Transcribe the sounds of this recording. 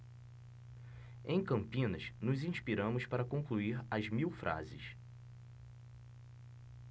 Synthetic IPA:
ẽj̃kɐ̃mpĩnɐ̰snʊzĩʃpiɾɐ̃mʊspaɾɐkõkluiɾɐzmiwfɾʔa̰zɪ̰s

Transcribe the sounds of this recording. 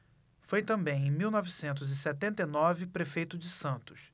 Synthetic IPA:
fojt̪ɐ̃mbẽj̃ẽj̃miwnɔvisẽnt̪ʊzɪsɛt̪ẽnt̪ɐjnɔvɪpɾefejt̪ʊd͡ʒɪsɐ̃nt̪ʊ̥s

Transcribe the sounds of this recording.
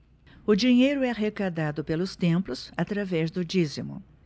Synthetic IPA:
ʊd͡ʒiɲejɾʊɛɦekad̪ad̪ʊpelʊst̪ẽplʊsat̪ɾavɛzd̪ʊd͡ʒizimʊ̰

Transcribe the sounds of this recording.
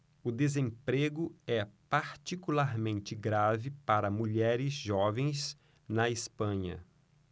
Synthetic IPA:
ʊd̪ezẽpɾeɡʊɛpaɾt͡ʃikulaɾmẽnt͡ʃɪɡɾavɪpaɾɐmuʎɛɾɪzʒɔvẽj̃s | nɐespɐ̃ɲɐ̰

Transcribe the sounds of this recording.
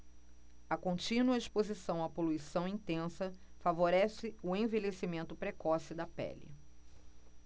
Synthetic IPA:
ɐkõnt͡ʃĩnuɐiʃpozisɐ̃w̃ɐpoluisɐ̃w̃ĩt̪ẽsɐfavoɾɛsɪʊẽvelesimẽnt̪ʊpɾekɔsɪd̪ɐpɛ̰lɪ̰

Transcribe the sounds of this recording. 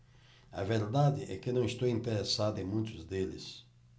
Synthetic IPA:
ɐ̰veɾd̪ad̪ɪʔɛkɪnɐ̃w̃ɪst̪owĩnt̪eɾesad̪ʊẽmũj̃t̪ʊzd̪elɪ̰s

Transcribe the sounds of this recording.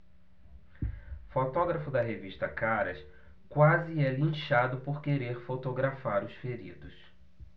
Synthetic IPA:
fot̪ɔɡɾɐfʊd̪ɐɦeviʃt̪ɐkaɾɐs | kwazɪɛlɐ̃ʃad̪ʊpoɾkeɾeɾfot̪oɡɾafaɾʊsfeɾḭd̪ʊs

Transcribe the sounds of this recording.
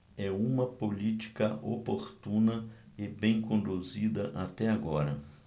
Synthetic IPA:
ɛũmɐpolit͡ʃ̪i̥kɐʔo̰poɾt̪ũnɐ | ɪbẽj̃kõnd̪uzid̪ɐʔat̪ɛaɡɔɾɐ̰

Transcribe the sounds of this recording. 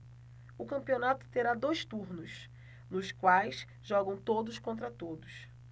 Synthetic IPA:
ʊkɐ̃pionat̪ʊ̥t̪eɾad̪ojst̪uɾnʊs | nʊskwajs | ʒɔɡɐ̃w̃t̪od̪ʊskõnt̪̬ɾɐt̪od̪ʊs

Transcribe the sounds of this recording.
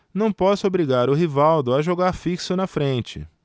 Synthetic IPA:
nɐ̃w̃pɔsʊobɾiɡaɾʊɦivawd̪ʊaʒoɡaɾfiksʊnɐfɾẽnt͡ʃɪ̰

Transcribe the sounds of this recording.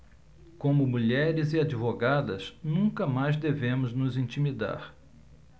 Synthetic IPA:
kõmʊmuʎɛɾɪzɪad͡ʒivoɡad̪ɐsnũkɐmajzd̪evẽmʊznʊzĩnt͡ʃimid̪a̰ɾ

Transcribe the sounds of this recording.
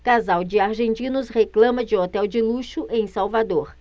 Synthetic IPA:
kazawd͡ʒɪaɾʒẽnt͡ʃĩnʊsheklɐ̃mɐd͡ʒɪɔt̪ɛwd͡ʒɪluʃʊʔẽj̃sawvad̪oɾ

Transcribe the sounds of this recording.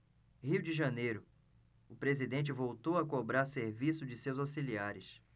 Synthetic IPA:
hiwd͡ʒɪʒɐnejɾʊ | ʊpɾezid̪ẽnt͡ʃɪvowt̪owɐkobɾaɾseɾvisʊd͡ʒɪsewzasiliaɾɪs

